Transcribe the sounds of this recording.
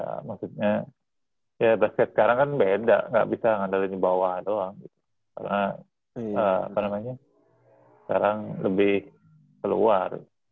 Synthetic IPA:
ja̰maksut̪̚ɲa | jabaskɛt̪skaɾaŋkanbeda̰ʔŋɡa̰ʔbisaŋandaliɲəbawahdoaŋɡit̪̚u̥ | ka̰rna | əa̰panamaɲa | sə̥kaɾaŋləbɪh | kəlṵarḭt̪

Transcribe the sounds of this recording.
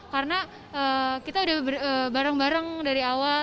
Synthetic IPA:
kaɾəna | əːkit̪audahbəəbaɾaŋbaɾaŋdaɾiawa

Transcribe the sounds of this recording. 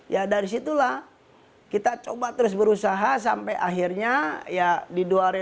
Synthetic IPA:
jadaɾisit̪ulah | kit̪at͡ʃobat̪əɾʊs̬bəɾusaɦas̬ampajʔa̰ɦirɲajadiduaɾe

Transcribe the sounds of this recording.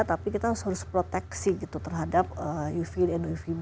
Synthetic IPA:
t̪apikit̪aʊshɾʊspɾot̪ɛksiɡit̪ut̪ərɦadap̚əjufidɛnufin

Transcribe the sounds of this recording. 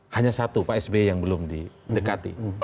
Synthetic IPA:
haɲasat̪upaɛsbejaŋbəlʊmdidəkat̪ḭ

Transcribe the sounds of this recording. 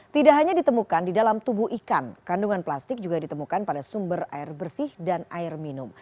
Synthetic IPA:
t̪idaʔɦaɲadit̪əmukandidalamt̪ubuɦikankanduŋanplast̪ɪk̚d͡ʒuɡadit̪əmukanpadasumbəra̰ɪrbərsɪhdanʔa̰ɪrminʊm

